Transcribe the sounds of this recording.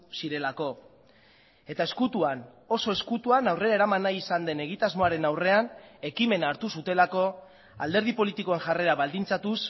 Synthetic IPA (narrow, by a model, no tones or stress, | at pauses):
siɾe̞lako̞ | e̞t̪ae̞skut̪uan | o̞so̞e̞skut̪uanawre̞ɾae̞ɾamanajisand̪e̞ne̞ɣ̞it̪azmo̞aɾe̞nawre̞ane̞kime̞naːɾt̪usut̪e̞lako̞ | ald̪e̞ɾð̞ipo̞lit̪iko̞e̞ŋʝare̞ɾaβald̪int͡sat̪us